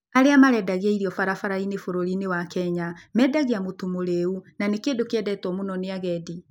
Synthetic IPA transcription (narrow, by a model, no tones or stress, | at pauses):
aɾeamaɾɛdaɣaiɾiɔfaɾafaɾainefoɾoɾinewakɛɲamɛdaɣiamotomoɾeunanekendokeɛdɛtwɔmonɔneaɣɛdi